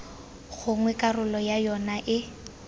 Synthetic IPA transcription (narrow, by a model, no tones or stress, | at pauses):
ɣʊŋwɛkʼarʊlɔjajɔnaʔɪ